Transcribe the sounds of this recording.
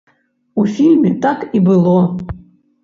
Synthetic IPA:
ufʲilʲmʲɛt̪akibɨlˠɔ

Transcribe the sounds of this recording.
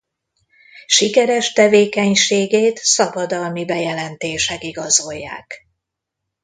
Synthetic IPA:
ʃikɛɾɛʃt̪ɛveːkɛɲʃeːɡeːt̪sɒbɒd̪ɒlmibɛjɛlɛnt̪eːʃɛkiɡɒzo̞jːa̰ːk

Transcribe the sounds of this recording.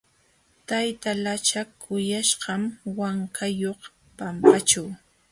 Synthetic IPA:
t̪ajt̪alat͡ʃakʰʊjaʃɢɑmwaŋkʰajoχ | pampat͡ʃaw

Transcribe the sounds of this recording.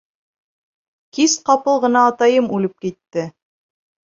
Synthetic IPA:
kisqɑpɤlˠʁɤ̆nɑːt̪ɑjɤmʉlɘp̚kit̪ːɘ

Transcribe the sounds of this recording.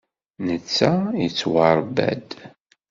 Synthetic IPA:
nət͡sːæjit͡sːwɑɾˤbæ̰d̪

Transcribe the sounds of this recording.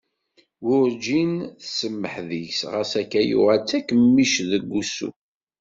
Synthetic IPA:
wʊɾd͡ʒinθsəmːəħðəʝsʁəsækːæjṵʁalt͡sːækəmːiʃðəɡʷːusṵ

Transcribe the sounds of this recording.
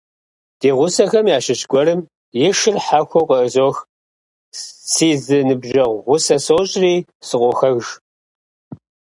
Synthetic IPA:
d̥eːʁʷʊsɐxɐmjaːʃɪɕɡʷɔɾɨm | jɪʂɨrħaxʷoqəʔəzoːx | siːzɨnɨbʒɐʁʷʁʷʊsɐsoːɕʼriːsɨqʷɔxɐɣʒ

